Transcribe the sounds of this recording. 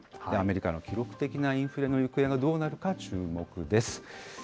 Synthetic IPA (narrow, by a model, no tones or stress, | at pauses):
ame̞ɾʲika̰no̞kʲiɾo̞kɯ̟̥t̪e̞kʲinaĩɰ̃ɸɯ̟ɾe̞nojɯ̟kɯẽ̞ŋɡad̪o̞ːnaɾɯ̟kat͡ɕɨːmo̞kɯ̟d̪e̞sɨ̥